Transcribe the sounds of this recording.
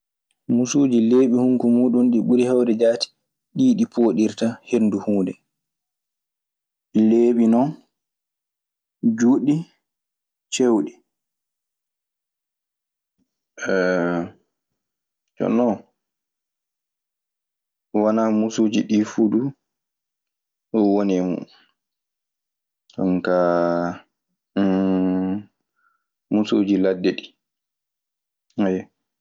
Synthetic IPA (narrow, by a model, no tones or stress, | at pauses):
musuːd͡ʒileːɓihuŋkumuːɗunɗiɓuɾihawdɛd͡ʒaːti̥ | ɗiːɗipʰoːɗiɾtahenduhuːdɛ | leːɓinɔn | d͡ʒuɗi | t͡ʃewɗi | ɛ | t͡ʃɔ̰nɔ | wanamusoːd͡ʒiɗifudu | ɗɔwonɛmṵ | ɗɔnka | musoːd͡ʒiladːɛɗi | ajɛ